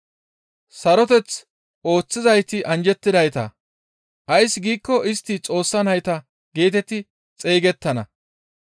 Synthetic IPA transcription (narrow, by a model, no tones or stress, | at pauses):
sɐɾɔt̪ɛt͡s | ʔo̞ːt͡sːɪzɐjt̪ɪʔɐnd͡ʒɛt̪ːɪd̪ɐjt̪ɐ̰ | ʔɐjsɡiːkːɔʔɪst̪ːɪt͡sʼo̞ːsːɐnɐjt̪ɐ | ɡeːt̪ɛt̪ɪ | t͡sʼeːɡɛt̪ːɐnɐ̰